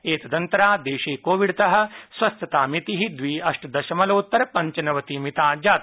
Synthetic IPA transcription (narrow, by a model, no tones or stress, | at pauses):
eːt̪ɐd̪ɐnt̪ɐɾaːd̪eːʃeːkoːʋiɽt̪ɐɦɐ̆sʋɐst̪ɐt̪aːmit̪iɦid̪ʋiːɐʂʈɐd̪ɐʃɐmɐlɐːt̪ːɐɾɐpɐɲt͡ʃɐnɐʋɐt̪imit̪aːd͡ʒaːt̪